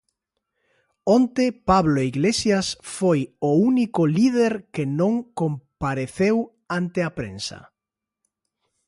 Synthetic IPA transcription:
ont̪epaβloeiɣlesjasfojounikʊliðeɾkenõŋkompaɾeθew | ant̪eapɾḛ̃nsɐ̰

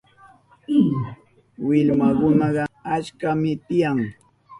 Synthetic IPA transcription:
wɪʎmakʊnɑɢɑat͡ʃkamɪt̪ɪjaŋ

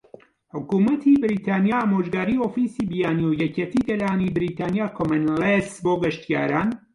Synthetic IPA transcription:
ħʊkuːmɐt̪ʰibɪɾiːt̪ʰaːnijaːaːmoʒɡaːɾiːoːfisiːbijaːniowjɛcet̪ʰiːɡɐlaːnibɪɾiːt̪ʰaːnjaːkʰomɐnlesboːɡɐʃt̪ija̰ːɾaːn

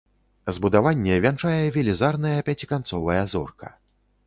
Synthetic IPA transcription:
zbud̪avanʲːɛvʲant͡ʂajɛvʲɛlʲizarnɐjɐpʲat͡sʲikant̪sɔvɐjɐzɔrkɐ̥

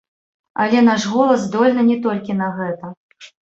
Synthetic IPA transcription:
a̰lʲɛnaʂɣɔlˠɐzd̪ɔlʲnɨnʲɛt̪ɔlʲkʲin̪ɐɣɛt̪ɐ

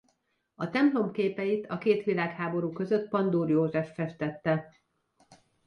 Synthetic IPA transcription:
ɒt̪ɛmplo̞mkeːpɛjit̪ʰɒkeːt̪ʋilaːkhaːbo̞ɾuːkø̞zøt̪pɒnd̪uːrjoːʒɛfːɛʃt̪ɛt̪ːɛ

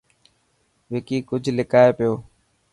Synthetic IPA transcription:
ʋeːkiːkʊd͡ʒʱlɪkaːepɪjoː

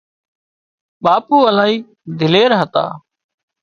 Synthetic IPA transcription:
ɓaːpuːəlaːɦiː | d̪ʱɪleːɾɦət̪a̰ː

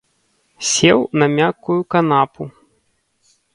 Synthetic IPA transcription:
sʲɛwnɐmʲakːujukanapu

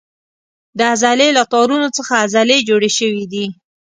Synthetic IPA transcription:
d̪əazalelat̪ɑɾunot͡səxaːzaled͡ʒoɽeʃəwid̪i

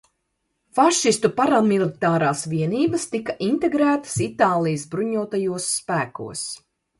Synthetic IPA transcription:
faʃist̪upaɾamilˠit̪aːɾaːsʋiɛniːbɐst̪ikaʔint̪eɡɾæːt̪ɐ̥sit̪aːlˠijsbɾuɲuɔt̪ajuɔsːpæːkṵɔs

